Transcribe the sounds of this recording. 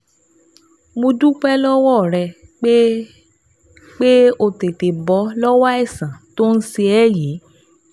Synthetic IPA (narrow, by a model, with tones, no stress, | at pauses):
mo˧dũ˦k͡pɛ˦lɔ˦wɔ˦˨ɾɛ˧ | k͡pe˦ | k͡pe˦o˧te˨te˨bɔ˨˦lɔ˦wa˦ɛ˦˨sã˨to˦n̩˦se˧ɛ˦˨je˨˦